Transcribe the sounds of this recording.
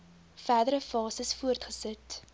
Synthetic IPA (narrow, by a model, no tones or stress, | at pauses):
fæːdəɾəfɑːsəsfuərtχəsət